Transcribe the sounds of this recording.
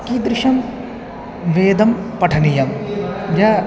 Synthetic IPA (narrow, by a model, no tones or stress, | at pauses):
kiːd̪ɾɪʂɐm | ʋeːd̪ɐmpɐʈʰɐnijɐmja